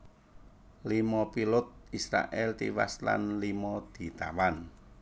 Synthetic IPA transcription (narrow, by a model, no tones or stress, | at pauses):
limɔpilʊt̪̚isɾa̰ʔɛlt̪ḭwasla̰nlimɔd̪̥i̤t̪a̰wan